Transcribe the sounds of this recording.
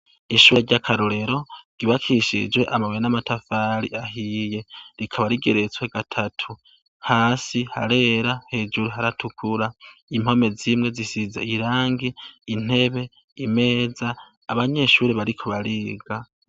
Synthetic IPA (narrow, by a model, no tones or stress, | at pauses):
iʃuːɾeɟakʰaɾoɾe̞ɾo̞ɡ̥iβakʰiʃḭd͡ʒwe̞ʔamawenamatʰafaɾḭʔaɦije̞ɾikʰaβaɾiɡe̞ɾe̞t͡swe̞ɡ̥atʰatʰu | haːsiha̰ɾe̞ːɾahe̞ːd͡ʒuɾuɦaɾatʰukʰuɾaim̥ho̞me̞zimŋe̞zisizeiɾaːŋɡiːn̥e̞βe̞ | ime̞ːzaː | βaɲe̞ʃuːɾeβaɾikʰo̞βaɾiːɡa